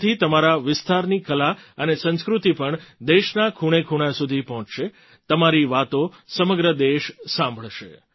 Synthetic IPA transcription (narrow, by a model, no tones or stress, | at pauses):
t̪ʰit̪əmaɾaʋɪst̪aɾnikəlaənesə̃ñskɾut̪ipəɳd̪eʃnakʰuɽ̃ekʰuɽ̃asud̪ʱipɔɦɔ̃t͡ʃʃe | t̪əmaɾiʋat̪osəməɡɾəd̪eʃsãmbʱəɭʃe